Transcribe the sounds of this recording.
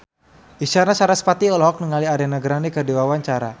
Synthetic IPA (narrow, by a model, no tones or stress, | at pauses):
iʃaɾnasaɾasə̥pat̪iɔlaɦɔk̚nəŋaliaɾianaɡəɾanikədiwawaɲt͡ʃaɾa̰